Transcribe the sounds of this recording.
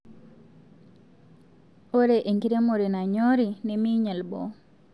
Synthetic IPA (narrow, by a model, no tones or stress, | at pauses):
oɾeʔeŋkiɾemoɾinaɲoɾinemiɲalbɔ̰